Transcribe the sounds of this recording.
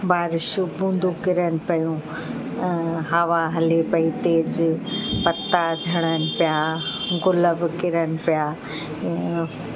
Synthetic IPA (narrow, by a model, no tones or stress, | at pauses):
baːɾɪʃubũːnd̪ʱukɪɾənɪ̆pɐjũ | ɦɐʋaɦɐlepɐit̪eːd͡ʑpɐt̪ad͡ʑʱɐɽ̃ənɪ̆pijaɡʊləbkɪɾənɪ̆pijaː